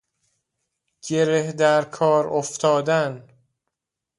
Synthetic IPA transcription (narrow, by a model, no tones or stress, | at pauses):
ɟ̥eɾehd̪æɾkʰɒːɾoft̪ʰɒːd̪æn